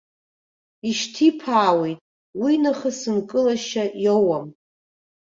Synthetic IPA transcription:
iʃtʰipʰaːwejtʼ | winɨχəsɨnkʼɨlaʃaʔjowam

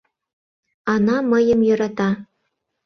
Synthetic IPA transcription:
ɑnɑmɤjə̆mjø̆ɾɑt̪ɑ

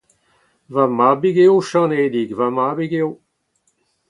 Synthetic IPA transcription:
vamabiɡeoʃɑ̃ned̪iɡvamaːbiɡew

